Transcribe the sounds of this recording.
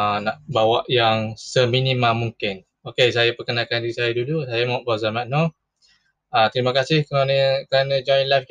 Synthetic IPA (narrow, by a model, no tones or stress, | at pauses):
naʔbawaʔjaŋsəminĩmamuŋkɪn | okesajapəkənakandiɾisajadudusajamaaʔbazamãno | at̪əɾimakasɪhkəɾanəkɾanə̃d͡ʒɔjnlajf